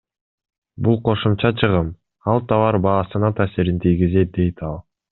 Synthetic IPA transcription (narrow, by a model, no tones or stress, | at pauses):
bulˠqʰo̞ʃumt͡ʃɑt͡ʃʰɯʁɯm | ɑlˠt̪ʰɑβɑɾbɑːsɯnɑt̪ʰaːsiɾint̪ʰijɡizet̪̚d̪e̞jt̪ɑlˠ